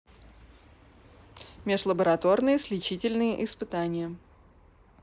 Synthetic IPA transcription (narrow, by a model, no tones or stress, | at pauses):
mʲɪʐlˠəbəɾɐt̪o̞rnɨjəsʲlʲɪt͡ɕitʲɪlʲnɨjəʔɪspɨt̪anʲɪjə